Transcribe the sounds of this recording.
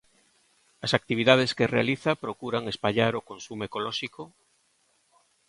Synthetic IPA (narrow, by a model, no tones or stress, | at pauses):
asak̚t̪iβiðað̞eskerealiθapɾokuɾaŋespaʎaɾokonsumekolɔʃiko